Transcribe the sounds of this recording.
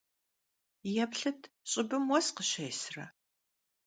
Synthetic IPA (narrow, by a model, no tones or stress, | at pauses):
jɛpɬɨtʰ | ɕʼɪbɨmwɔsqəɕɐjsrɐ̰